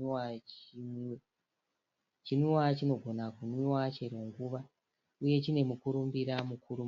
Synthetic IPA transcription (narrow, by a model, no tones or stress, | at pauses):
aim | t͡ʃiniwat͡ʃino̞ɡʱo̞nakunuwat͡ʃe̞ɾwoŋɡuʋa | uje̞t͡ʃine̞mukuɾumbiɾamukuɾum